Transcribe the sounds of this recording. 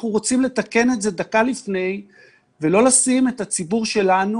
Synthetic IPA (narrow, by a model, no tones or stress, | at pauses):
χnuʁot͡simle̞t̪ake̞ne̞tze̞dakalifne̞j | velo̞lasime̞tat͡sibuʁʃe̞lanu